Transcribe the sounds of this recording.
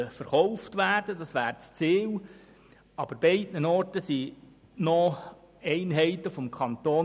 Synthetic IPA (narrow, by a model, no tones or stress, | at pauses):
əfəɾχɔʊftʋæːrd̥ədɑsʋæːɾt͡st͡siːl | ɑb̥əɾbɛɪdnənɔrtəsi | nɔ | ɛɪnɦɛɪt̪əfɔmkʰɑnt̪oː